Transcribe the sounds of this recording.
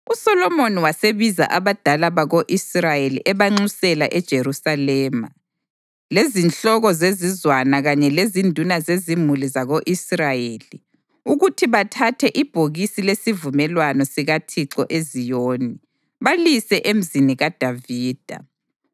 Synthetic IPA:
usɔlɔmoniwaseβiza̰ʔaβad̥ʱalaβaɣoʔisrajeliʔɛβaŋ͡ǀusɛlaʔɛd̥ʒ̥ʱerusalɛːma | lezinɬɔɣɔzezizwanaɣaɲɛlezindʱunazezimulizaɣoʔisrajeli | uɣutʰiβatʰatʰɛʔib̥ʱoɣisilesivumɛlwanɔsiɣatʰiǁɔʔezijoːni | βalisɛʔem̩ziniɣad̥ʱaviːd̥ʱa̰

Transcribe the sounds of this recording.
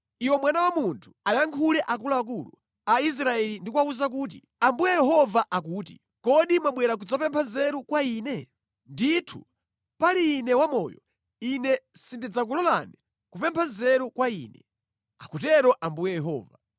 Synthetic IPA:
iwɛmwanawamuntʰu̥ajaŋkʰulɛʔak̬ulaak̬ulṵ | ais̬ɾaɛlindikwauzak̬uːt̬ḭ | ambujɛjɛɦɔvaʔak̬uːtḭ | kɔɗimwaɓwɛɾak̬ud͡zapɛmpʰanzɛɾukwaiːnɛ | nditʰṵ | paliːnɛwamɔ̰jɔ̰ | inɛsindid͡zak̬ulɔla̰ni | kupɛmpʰanzɛɾukwaḭːnɛ̰ | a̰kutɛɾɔʔambujɛjɛɦɔ̰ːva

